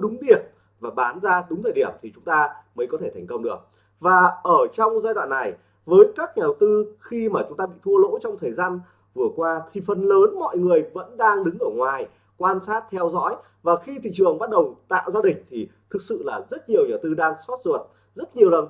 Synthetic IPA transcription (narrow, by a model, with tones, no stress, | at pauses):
ɗʊ˨˦ŋ͡mɗi˨˩ət̚ | vaː˨˩ɓaː˨˦nzaː˧ɗʊ˨˦ŋ͡mt̪ʰəː˧˩jɗi˧˩əmt̪ʰi˨˩t͡ɕʊ˨˦ŋ͡mt̪aː˧mə˨˦jkɔ˨˦t̪ʰe˧˩ɛ˨˩jŋ̟kə˧wŋ͡mɗɨ˨˩ək̚ | vaː˨˩ʔəː˧˩t͡ɕɔ˧wŋ͡mzaː˧jɗwa̰ː˧˨nːa˨˩j | vəː˨˦jkaː˦˥k̚ɲaː˨˩ɗə˨˩wt̪ɨ˧xi˧maː˨˩t͡ɕʊ˨˦ŋ͡mt̪aː˧ɓḭ˧˨t̪ʰu˧əlo̰˧˥t͡ɕɔ˧wŋ͡mt̪ʰəː˨˩jzaː˧n | vɨ˨˩əkwaː˧t̪ʰi˨˩fə˨˩nləː˨˦nmɔ̰˧˨jŋɨ˨˩əjvə̰˧˥nɗaː˧ŋɗɨ˨˦ŋʔəː˧˩ŋwaː˨˩j | kwaː˧nsaː˦˥t̚t̪ʰɛ˧wzɔ̰˧˥j | vaː˨˩xi˧t̪ʰḭ˧˨t͡ɕɨ˨˩əŋɓa˦˥t̚ɗə˨˩wt̪a̰ː˧˨wzaː˧ɗï˨˩ŋ̟t̪ʰi˨˩t̪ʰɨ˨˩k̚sɨ̰˧˨laː˨˩zə˦˥t̚ɲi˨˩əwɲaː˨˩wt̪ɨ˧ɗaː˧ŋsɔ˦˥t̚zu˨˩ət̚ | zə˦˥t̚ɲi˨˩əwlə˨˩n